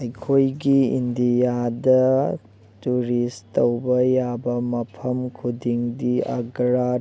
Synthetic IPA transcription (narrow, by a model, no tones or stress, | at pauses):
ɐjkʰojɡiḭnd̪ijad̪ɐ | tuɾistɐwbɐjaːbɐmɐpʰɐmkʰud̪iŋd̪iɐ̰ɡɾa